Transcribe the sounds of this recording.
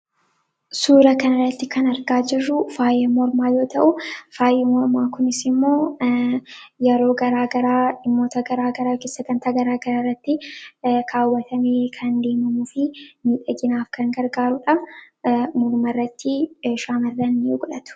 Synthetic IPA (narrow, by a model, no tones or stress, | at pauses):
suːɾɐkɐnɐrːɐt̪ːɪkɐnɐɾɡaːd͡ʒɪrːʊfaːjɛmɔɾmaːjo̞ːt̪ɐʔʊfaːjɛmɔɾmaːkʊnɪsɪmːo̞ː | jɛɾo̞ːɡɐɾaːɡɐɾaːɪmːoːt̪ɐɡɐɾaːɡɐɾaːkɪsɐɡɐnt̪aːɡɐɾaːɡɐɾaːrːɐt̪ːɪkʰaːwːɐt̪ʰɐmeːkʰɐnd̪e̞ːmɐmufɪmiːᶑ̪ʼɐɡɪnaːfkɐŋɡɐɾɡaːɾʊᶑɐ | mɔɾmɐrːɐt̪ːɪʃaːmɐrːɐnːɪɡʊᶑɐt̪ʊ̥